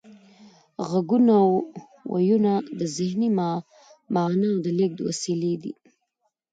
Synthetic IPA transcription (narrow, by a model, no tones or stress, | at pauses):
ɣaɡunaw | wa̰junad̪əzɪhnimɑ | mɑnaːwd̪əlek̚d̪əwa̰siled̪ḭ